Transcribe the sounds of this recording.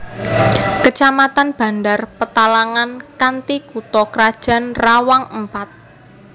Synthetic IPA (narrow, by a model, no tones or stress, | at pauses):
kət͡ʃamat̪anb̥a̤ndarpət̪alaŋankant̪ikut̪ɔkəɾad̥ʒ̥a̤nrawaŋəmpat̪̚